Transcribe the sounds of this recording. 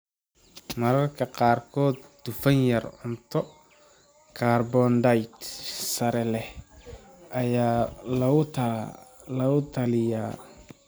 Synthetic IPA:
mɐɾɐrkʰɐqɑːrkʰɔːd̪̚ːʊfɐnjɐrʊnt̪ʰɔ | kʰaːrbɔnɖɐjt̪sɐɾɛlɛh | ɐjaːlɐʊ | lɐʊt̪ʰɐlɪjaː

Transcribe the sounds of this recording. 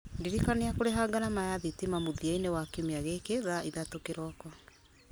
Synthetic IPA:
diɾikaneakoɾeɦaɡaɾamajaðitimamoðiainewakemeaɣekeðaiðatokeɾɔkɔ

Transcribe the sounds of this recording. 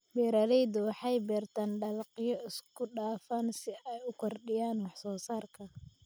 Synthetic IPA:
bɛːɾɐlɛjd̪ʊwɑħɑjbɛːrt̪ʰɐnɖɐlqɪjɔʔɪskʰʊɖaːfaːnsɪɛjʊkʰɔrɖɪjaːnwɑħsɔːsaːrkʰɐ

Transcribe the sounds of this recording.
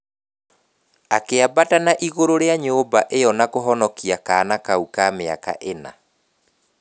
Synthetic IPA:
akeabatanaʔiɣoɾoɾeaɲoobaʔejɔnakoɦɔnɔkiakaːnakaukaːmea̰ka̰ʔena̰

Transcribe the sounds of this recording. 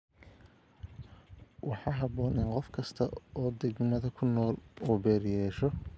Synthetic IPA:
wʔɑħɑːɦɑβɔːnɪnqɔfkʰɐst̪ʰɐɔːd̪ɛɡmɐðɐkʰʊnːɔːluːbɛːɾjɛːʃɔ

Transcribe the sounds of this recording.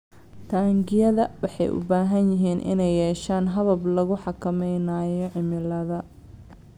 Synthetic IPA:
t̪ʰaːŋɡɪjɐðɐwɑħɑ̰jʔʊ̰baːɦɐnjɪɦiːnʔɪ̰nɛjːɛːʃaːnɦɐβɐblɐɣʊħɑkʰɐmɛjnaːjɔʕɪmɪlɐðɐ

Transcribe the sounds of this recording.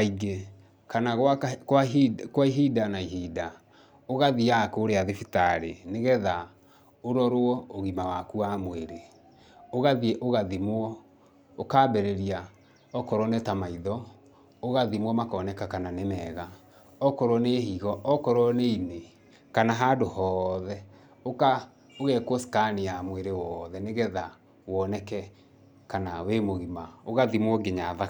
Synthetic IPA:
aiɡe | kanaɣwakwakwaiɦidanaiɦida | oɣaðiakoːɾeaðefitaɾḛneɣɛða | oɾɔɾoɔoɣimawakuamweɾe | oɣaðieʔoɣaðimwɔ | okaːbɛɾeɾia | ɔkɔɾwɔnetamaiðɔ | oɣaðimwɔmakɔnɛkakananemɛɣa | ɔkɔɾwɔneɦiɣɔʔɔkɔɾwɔneine | kanaɦadohɔːðɛ | oka | oɣɛkwɔsi̥kanejamweɾewɔðɛneɣɛða | wɔnɛkɛ | kanawemoɣimaoɣaðimwɔɡeɲaða

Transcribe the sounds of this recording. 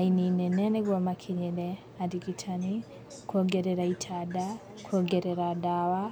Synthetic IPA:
aininɛnɛnɛɡwɔmakʰiɲɛlɛ | adiɡitʰani | kuɔɡɛɾɛɾaitʰada | kʰɔɡɛɾɛɾadawa

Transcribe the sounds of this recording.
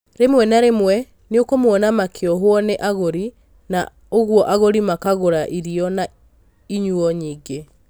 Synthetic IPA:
ɾemwɛnaɾemwɛ | neokomwɔnamakʰeɔɦwɔneʔaɣoɾi | na̰ | oɣwɔʔaɣoɾimakaɣoɾaʔiɾiɔna | iɲuɔɲiːɡe

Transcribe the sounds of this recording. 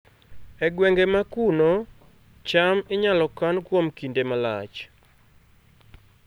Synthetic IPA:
ɛɡwɛŋɡemakuno | t͡ʃamɪɲalɔkankwomkindemala̰t͡ʃ

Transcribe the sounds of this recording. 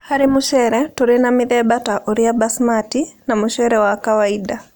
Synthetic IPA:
haɾimuʃɛːɾɛtoɾinamiðɛbataʔoɾiabasmatinamuʃɛɾɛwakawaida

